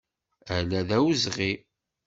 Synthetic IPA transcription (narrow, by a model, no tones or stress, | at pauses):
ælæðæwzʁi